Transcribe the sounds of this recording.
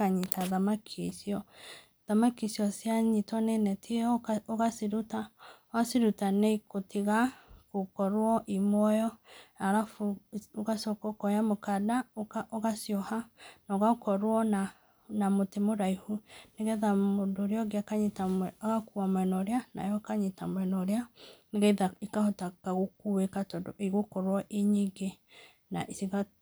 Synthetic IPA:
aɲitaðamakʰesiɔ | ðamakisiɔsjaɲitɔnenɛtʰieɔoɣasiɾutaoasiɾutaneikotʰiɣakokɔɾwɔʔimwɔjɔaɾafuoɣasɔkokɔjamokadaoɣasjɔhanaɣaokɔɾwɔna | namotemoɾaihuneɣɛðamodoːɾeɔɡeakaɲetaaɣakuamwɛnɔɾeana̰jɔkaɲetamwɛnɔɾeaneɣɛðaikahɔtakaɣokuwekatɔdiɣokɔɾwɔʔeɲiɡe | na̰ʔisiɣa

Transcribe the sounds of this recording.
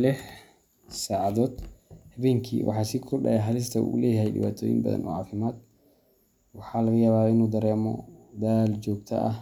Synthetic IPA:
lɪħ | saːʕɑðɔːd̪hɐβɛːŋkʰḭːwʔɑ̰ħɑːsɪkʰʊɖɐ̰ɛɦɐlɪs̬t̪ʰɐṵːlɛːjɐɦɛjɖɪ̰βa̰ːt̪ʰɔːjɪ̰mbɐ̰ðɐ̰nʔɔ̰ːʕɑːfɪmaːd̪̚ | wɑħɑːlɐɣɐjaːβaːɪnuːd̪ɐɾɛːmɔ̰d̪aːld͡ʒɔːɡt̪ʰɐ̰ʔɐh

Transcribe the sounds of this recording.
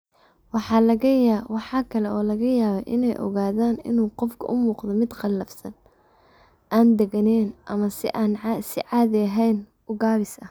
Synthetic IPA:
wɑħɑːlɐɣɐjaːwɑħɑːkʰɐlɛɔːlɐɣɐjaːβɐjʔɪnɛjʔɔ̰ɣaːðaːnɪ̰nuːqɔfkʰɐʔʊmuːqðɔmɪd̪qɑlːɐfsɐn | ʔaːnd̪ɛɡɐnɛjnʔɐmɐsɪʔansɪʕɑːðɪɐɦɛjn | ʊɡaːβɪsɐ

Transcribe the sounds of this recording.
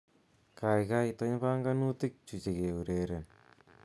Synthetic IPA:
kajkajtɔɲpaŋɡanutik̚t͡ʃut͡ʃekeuɾeɾen

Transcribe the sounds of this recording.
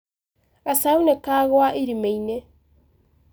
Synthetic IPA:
asaunekaɣoaʔiɾimeine

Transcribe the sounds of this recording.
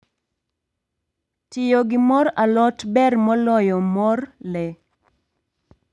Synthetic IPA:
tɪjɔɡɪmɔɾalɔtbɛrmɔlɔjɔmɔrlɛ

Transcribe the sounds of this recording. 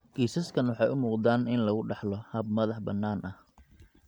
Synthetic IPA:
ɡ̥iːsɐskʰɐnwɑħɑjʊmuːqd̪aːnɪnlɐɣʊɖɑħlɔhɐb̚mɐðɑħbɐnːaːnʔɐh

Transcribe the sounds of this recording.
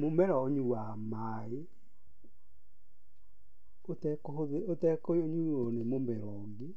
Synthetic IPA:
momɛɾɔːɲuwama | e | otɛkɔoeotɛkooɲuonemombɛɾɔŋɡe

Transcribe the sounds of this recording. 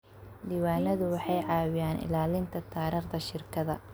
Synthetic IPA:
d̪iːwaːnɐðʊwɑħɑjʕɑːwɪjaːnɪ̰laːlɪnt̪ʰɐt̪ʰaːɾiːχd̪ɐʃɪrkʰɐðɐ̰

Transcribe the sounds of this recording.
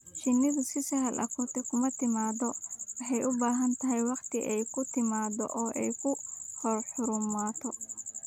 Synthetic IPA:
ʃɪnːɪðʊsɪsɐɦɐlʔɐ̰kʰɔːt̪ʰɛkʰʊmɐt̪ʰɪmaːdɔwɑħɑjʔʊbaːɦɐnt̪ʰɐɦɛjwɑqt̪ʰɪʔɛjkʰʊt̪ʰɪmaːdɔ̰ʔɔːʔɛjkʰʊhɔrħʊɾʊmaːt̪ʰɔ

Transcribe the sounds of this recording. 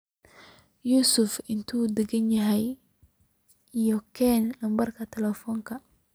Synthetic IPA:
juːsʊfɪnt̪ʰuːd̪ɛɡɐnjɐɦɛj | ijɔkʰɛːnlɐmbɐrkʰɐt̪ʰɛlɛfɔːŋkʰɐ

